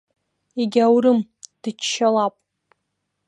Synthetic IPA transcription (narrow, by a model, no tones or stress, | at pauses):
eɡʲawɾɨmd̥ɨt͡ʃʃalapʼ